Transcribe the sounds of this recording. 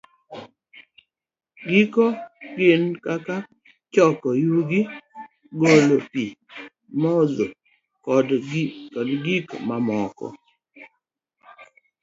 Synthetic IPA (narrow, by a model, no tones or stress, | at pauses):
ɡikɔɡɪnkaka | t͡ʃɔkɔjuɡi | ɡolopi | mɔzo | kɔdkɔdɡikmamɔkɔ̰